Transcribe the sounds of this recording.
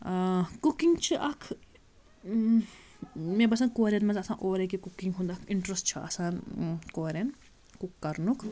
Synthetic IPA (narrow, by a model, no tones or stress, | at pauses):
kukiŋɡt͡ʃʰiʔɐkʰ | mẽbɐsaːnkoːɾʲɐnmɐ̃t͡sɐsãːʔoːɾekikukːiŋɡɦũnd̪ɐkʰiɳʈɾesʈt͡ʃʰɐɐ̰saːnkoːɾʲen | kukːɐɾnukʰ